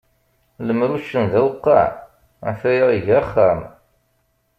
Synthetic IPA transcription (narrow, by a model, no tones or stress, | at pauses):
ləmɾuʃːənðæwəqːɑ̰ʕ | fæjʁiʝæχːæm